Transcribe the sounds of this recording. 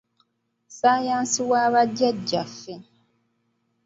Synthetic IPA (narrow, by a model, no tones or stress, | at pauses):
sajaːnsiwaːβaɟːaɟːafːe